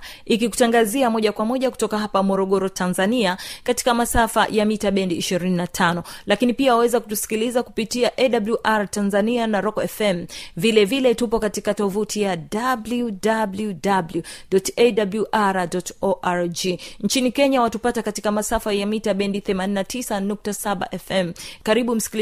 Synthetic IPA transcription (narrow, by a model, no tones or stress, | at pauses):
ikiku̥taŋɡaziamɔʄakwamɔʄaku̥tɔkaɦapamɔɾɔɠɔɾɔtanzaniakati̥kamasafa̰jamitaɓɛndiːʃiɾininatʰanɔlakinipiawawɛzaku̥tusi̥kilizakupitiaʔɛɗabluʔaɾatanzanianaɾɔkɔɛfɛm̩vilɛvilɛtupɔkatikatɔvutʰijadabludabludabluɗɔtɛdabluʔaɾadɔtɔʔaɹd͡ʒint͡ʃinikɛɲawatupatakatikamasafajamitaɓɛndiθɛmaninatisanuk̚tasaɓa̰ʔɛfɛmkaɾiɓum̩si̥kil